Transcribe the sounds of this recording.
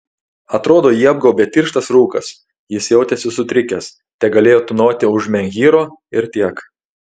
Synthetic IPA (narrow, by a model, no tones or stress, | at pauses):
ɐt̪ɾoːd̪oːjiːɐb̚ɡɔʊbʲɛːt̪ʲiːɾʃt̪ɐsɾuːkɐs | jɪsjɛʊt̪ʲesʲɪsʊt̪ʲɾʲɪkʲɛs | t̪ʲɛɡɐlʲeːjoːt̪ʊnoːt̪ʲɪʊʒmʲɛŋʲɡʲiːɾoːɪɾt̪ʲiɛk